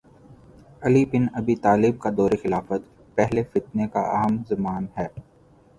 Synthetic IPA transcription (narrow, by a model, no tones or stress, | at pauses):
ɐlibɪnɐbit̪aːlɪb̚kad̪ɔːɾexɪlaːfət̪ | pɛɦlefɪt̪neka̰ɐ̰ɦəmzɐmaːnɦɛː